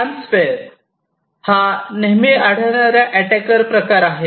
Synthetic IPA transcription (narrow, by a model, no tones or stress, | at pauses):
ʈɾansfeɾ | haneɦmiaɽ̤əʋɳaɾjaʔæʈɛkəɾpɾəkaɾaɦe